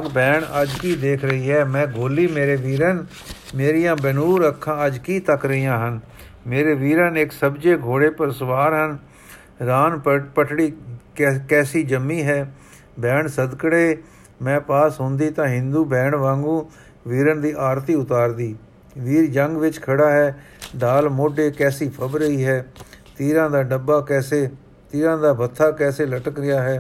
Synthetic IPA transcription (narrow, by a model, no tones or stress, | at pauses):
ɡbɛːɳəd͡ʒkiːd̪eːkʰɾəiːɦɛːmɛ̃ːɡʱoːliːmeːɾeːʋiːɾən | meːɾijãːbənuːɾəkʰːãːəd͡ʒkiːt̪əkɾəijãːɦən | meːɾeːʋiːɾənɪksəbd͡ʒeːɡʱoːɽeːpəɾsʋaːɾɦən | ɾaːnpəʈʰɽiː | kɛːsiːd͡ʒəmːiːɦɛː | bɛːɳsəd̪kəɽeː | mɛ̃ːpaːsɦʊ̃nd̪iːt̪ãːɦɪ̃nd̪uːbɛːɳʋãːŋɡũː | ʋiːɾənd̪iːʔaːɾt̪iːʊt̪aːɾd̪iː | ʋiːɾd͡ʒəŋɡʋɪt͡ʃkʰəɽaːɦɛː | ɖaːlmoːɖeːkɛːsiːpʰəbɾəiːɦɛːt̪iːɾãːd̪aːɖəbːaːkɛːseː | t̪iːɾãːd̪aːbʱət̪ʰːaːkɛːseːləʈəkɾɪjaːɦɛː